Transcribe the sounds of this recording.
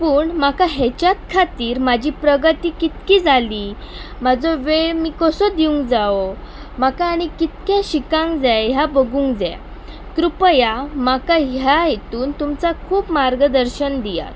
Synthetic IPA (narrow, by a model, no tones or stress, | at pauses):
puːɳmakaɦet͡ɕjat̪kʰat̪iːɾmad͡ʑʱiːpɾəɡət̪iːkit̪kiːd͡zʱaliː | mad͡zoʋeɭmiːkəsod̪iũŋɡd͡zao | makaːɽ̃ikit̪̚kjãɕikãŋɡd͡zajɦjabəɡuːŋɡd͡zɛ̰ | kɾupəjamakaɦjaɦet̪uːnt̪umt͡sakʰuːpmaɾɡəd̪əɾɕənd̪ija̰t̪